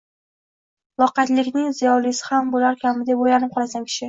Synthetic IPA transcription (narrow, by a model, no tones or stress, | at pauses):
lˠɒqɑt̪lɪkʲnɪŋzɪjɒlɪsɪ̥hambʊlaɾkʲʰamɪd̪epojanɪp̚qʰɒlasankʲʰɪ̥ʃɪ